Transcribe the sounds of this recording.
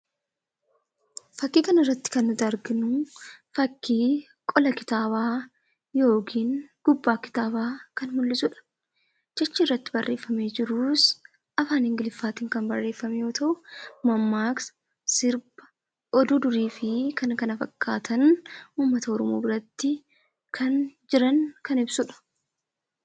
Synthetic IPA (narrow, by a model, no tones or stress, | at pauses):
fɐkːiːkɐnɪrːɐt̪ːɪ̥kɐnːʊt̪ɐɐɾɡɪnʊfɐkːiː | kʼɔlɐkɪ̥t̪aːbaː | jo̞ːkʰiːnɡ̥ʊbːaːkɪ̥t̪aːbaːkɐnmʊlːɪsʊᶑɐ̥ | d͡ʒɛt͡ʃːɐɪrːɐt̪ːɪbɐrːʔe̞ːfːɐme̞ːd͡ʒɪɾuːs | ʔɐfaːnɪŋɡɪlɪfːaːt̪iːŋkɐnbɐrːe̞ːfːɐmɛjo̞ːt̪ʰɐʔʊmɐmːaːks | sɪɾbɐ | ʔɔd̪ud̪ʊɾiːfɪkɐnkɐnɐfɐ̰kːaːt̪ʰɐnuːmːɐt̪ɐɔɾɔmoːbɪɾɐt̪ːɪ | kʰɐnd͡ʒɪɾɐnkɐnɪbsʊᶑɐ̥